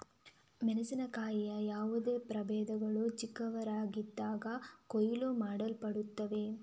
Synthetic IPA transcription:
mɛnɐsinɐkaːjijɐjaːʋud̪e̞ːpɾɐbɛːd̪ɐɡɐɭut͡ʃikːɐʋɐɾaːɡid̪ːaːɡɐkɔjiloːmaːɽɐlpɐɽut̪ːɐʋe̞

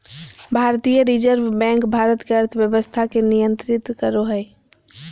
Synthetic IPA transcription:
bʱaɾt̪ijəɾid͡ʒəɾʋbɛ̃ŋkbʱaɾət̪keəɾt̪ʰbjəbəst̪ʰakenijənt̪ɾit̪kəɾoɦəj

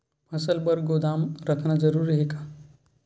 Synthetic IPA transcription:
pɐsəlbəɾɡod̪aːmɾəkʰnad͡ʒəɾuːɾiɦeɡaː

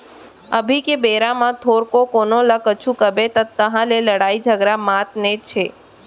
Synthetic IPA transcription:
əbʱikebeɾamãt̪ʰoɾkokonoləkət͡ʃʰukəbet̪ət̪ːəɦãleləɽaid͡ʒʱəɡɾamat̪net͡ʃʰe

